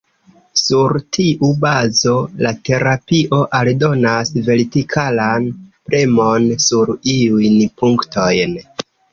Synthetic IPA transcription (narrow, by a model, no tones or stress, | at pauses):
suɾtʰiʔubazo̞late̞ɾapiʔo̞ʔaldo̞nasve̞ɾitikʰalanpɾemo̞nsuɾiujnpuŋkto̞jn